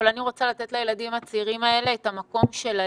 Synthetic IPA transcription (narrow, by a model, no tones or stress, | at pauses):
laniʁo̞t͡salat̪et̪lajelad̪imat͡siʁimae̞le̞ːt̪amako̞mʃe̞la